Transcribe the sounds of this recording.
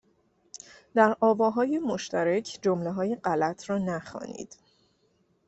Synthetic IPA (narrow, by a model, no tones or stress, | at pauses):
d̪̥æɾʔɒːvɒːɦɒːjemoʃt̪ʰæɾæcʰd͡ʒomleɦɒːjeɢælæt̪ʰrɒːnæxɒ̰ːnḭːd̪̥